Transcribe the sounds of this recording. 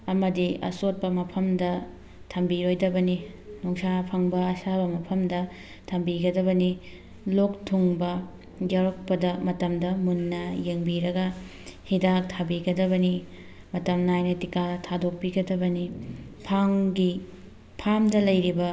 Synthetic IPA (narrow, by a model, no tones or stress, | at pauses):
ɐmɐdiɐ̰sot̚pɐmɐpʰɐmdɐ | tʰɐmbiɾojdɐbɐni | nuŋsapʰɐŋbɐɐsabɐmɐpʰɐmdɐ | tʰɐmbiɡɐdɐbɐni | lok̚tʰuŋbɐ | d͡ʒawɾɐk̚pɐdɐmɐtɐmdɐmunːɐjeŋbiɾɐɡɐ | hidak̚tʰabiɡɐdɐβɐni | mɐtɐmnajnɐtikatʰadok̚piɡɐdɐbɐnipʰaŋɡi | pʰamdɐlɐjɾibɐ